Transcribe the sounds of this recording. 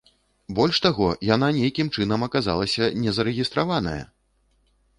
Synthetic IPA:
bɔlʲʂt̪aɣɔjananʲejkʲimt͡ʂɨn̪ɐmɐkaza̰lˠɐsʲɐnʲɛzɐɾɛɣʲist̪ɾavanɐ̰jɐ̰

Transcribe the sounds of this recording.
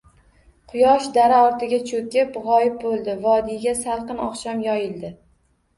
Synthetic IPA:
qʰʊjɒʃd̪aɾaɒɾt̪ʰɪɡʲat͡ʃʰokʲɪpʁɒjɪp̚bolˠd̪ɪvɒd̪ijɡʲasalˠqɨnɒ̰qʃamjɒjɪld̪ɪ

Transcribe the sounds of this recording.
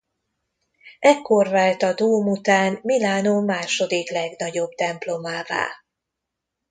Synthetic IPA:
ʔɛkːo̞rvaːlt̪ɒd̪uːmut̪aːnmilaːnoːmaːʃo̞d̪iklɛɡnɒɟo̞bt̪ɛmplo̞maːva̰ː

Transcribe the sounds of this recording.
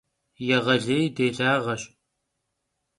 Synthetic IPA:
jɛʁɐɮejdeːɮaːʁɐɕʼ

